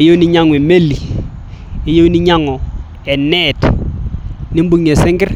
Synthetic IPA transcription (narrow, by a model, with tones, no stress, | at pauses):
je˦ni˦ɲa˦ŋwe˨me˦li˨ | e˨je˦wni˦ɲa˦ŋɔ˨ | ɛ˨nɛ˦˨t | nɪ˦m˦bu˦ŋ˨e˨sɪ˦ŋɡɪ˦ɾ